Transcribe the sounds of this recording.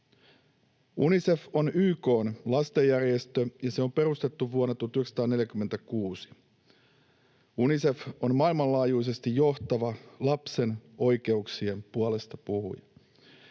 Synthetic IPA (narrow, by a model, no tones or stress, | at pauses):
unise̞fo̞nyːko̞ːnlɑst̪ejːærje̞st̪øjɑse̞o̞mpe̞rust̪et̪ːuʋʋuonːɑt̪uɑt̪yheksɑ̥t̪ɑːne̞ljækymːent̪ækuːsi̥ | unise̞fo̞nmɑilmɑlɑːjuis̬e̞st̪ijjo̞ht̪ɑʋɑlɑpse̞no̞jke̞uksie̞mpuole̞st̪ɑpuhṵjɑ̰